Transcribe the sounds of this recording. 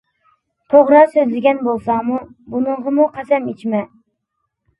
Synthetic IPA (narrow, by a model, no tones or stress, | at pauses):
t̪ʰoʁɾɑsøzlɪɡʲɛnbolˠsɑmubunɨɴʁɑmuqʰɑsɛmet͡ʃʰmɛ